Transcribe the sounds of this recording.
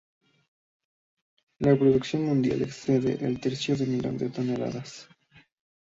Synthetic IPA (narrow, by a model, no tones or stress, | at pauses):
lapɾoðuksjonmũnd̪ja̰lekseðḛʔelt̪eɾsjoðemiʎo̰nd̪et̪onela̰ðas